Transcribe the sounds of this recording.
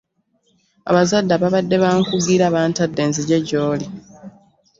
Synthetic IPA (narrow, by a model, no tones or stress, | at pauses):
a̰βazadːaβaβadːe̞βaŋkuɡiɾaβaːntadːeːnziɟeɟoːli